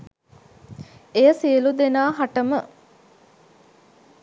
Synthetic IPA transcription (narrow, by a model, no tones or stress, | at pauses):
ejəsiəlud̪enaːɦaʈəmə